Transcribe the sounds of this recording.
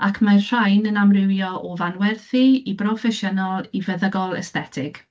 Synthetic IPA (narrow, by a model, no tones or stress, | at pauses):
akʰmarr̥ajnənamrɪwjɔʔɔvanwɛrθiibrɔfɛʃənɔlˠivəðəɡɔlˠɛ̰stɛtʰɪɡ̥